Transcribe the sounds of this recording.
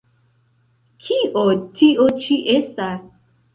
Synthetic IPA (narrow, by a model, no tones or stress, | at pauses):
kʰiʔotʰiʔot͡ʃiʔest̪as